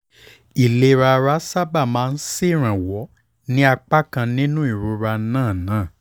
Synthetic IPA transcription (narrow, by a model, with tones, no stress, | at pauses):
i˨le˨˧ɾa˧ɾa˦sa˦ba˦˨mãː˨˦˧n̩˦si˦˨ɾ̃ã˨wɔ˨˦ | nĩ˦a˧k͡pa˦kã˧nĩ˦nũ˦i˦˨ɾo˧ɾa˧nãː˦˨nãː˦˨